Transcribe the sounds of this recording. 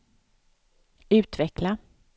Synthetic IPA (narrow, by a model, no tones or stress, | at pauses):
ʉ̟ːt̪vɛkla